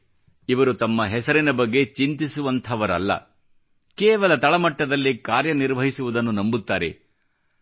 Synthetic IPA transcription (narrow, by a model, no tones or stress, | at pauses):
iʋɐɾut̪ɐmːɐɦɛsɐɾinɐbɐɡːe̞t͡ʃint̪isuʋɐnt̪ʰɐʋɐɾɐ̰lːɐ̰ | kɛːʋɐlɐt̪ɐɭɐmɐʈːɐd̪ɐlːikaːɾjɐniɾʋɐɦisuʋud̪ɐnːunɐmbut̪ːaːɾe̞̰